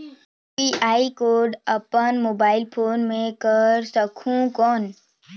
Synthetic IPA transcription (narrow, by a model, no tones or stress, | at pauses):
iʔaːikoːɾɖɐpənmoːbaːɪlpʰoːnmẽkəɾsəkʰũkɔːn